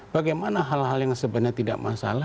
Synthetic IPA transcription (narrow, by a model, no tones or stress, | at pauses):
b̥aɡajmanaɦalɦaljaŋsəbənɲat̪ida̰ʔmasa̰la